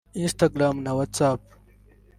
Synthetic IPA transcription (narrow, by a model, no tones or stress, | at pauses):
inst̪ɐɡɾaːmnɐwɐt̪t͡saːp̚